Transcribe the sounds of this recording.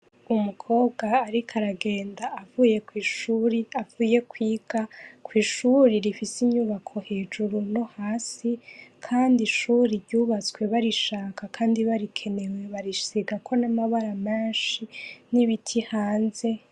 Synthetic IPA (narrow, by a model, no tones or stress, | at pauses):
umukʰo̞ːbɡaːɾikʰaɾaɡe̞ːndaːvuje̞kwiːʃuːɾiavuːje̞kwiːɡ̥akwiːʃuɾiɾifisiɲuβakʰo̞he̞ːd͡ʒuɾuno̞haːsikʰaːndiʃuɾiɾɟuːβat͡swe̞βaɾiʃaːkʰakʰaːndiβaɾikʰe̞ne̞we̞βaɾisiɡakʰo̞namaβaɾamaːʃiniβitʰihaːnze̞